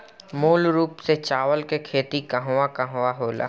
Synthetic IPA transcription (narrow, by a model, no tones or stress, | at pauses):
moːlɾuːpset͡ʃaːʋəlkekʰeːt̪ikɐɦʋakɐɦʋaɦoːla̰ː